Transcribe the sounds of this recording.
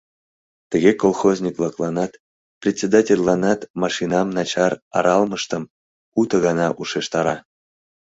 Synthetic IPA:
t̪əɣʲekolˠxozʲnʲikvlˠɑklˠɑnɑt̪ | prʲetʲt͡sʲed̪atʲelʲlːɑnɑt̪mɑʃinɑmnɑt͡ɕɑrɑ̰ɾɑlˠməʃt̪əm | ut̪əɣɑnɑʔuʃeʃt̪ɑɾɑ

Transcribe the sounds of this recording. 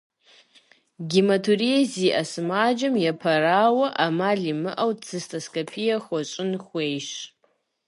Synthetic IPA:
ɡʲimɐtʰuɾieziːʔɐsɨmaːd͡ʒɐmjɛpʰɐɾaːwɐʔamaːɮimɨʔɐwt͡sʰɨstʰʼɐskʼɐpʰijɐxʷɔt͡ʃʼɪnxʷejʃ

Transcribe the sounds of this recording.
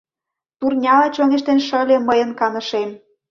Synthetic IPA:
t̪urnʲɑlet͡ɕoneʃt̪enʃə̆lʲĕməjə̆nkɑnɤ̆ʃem

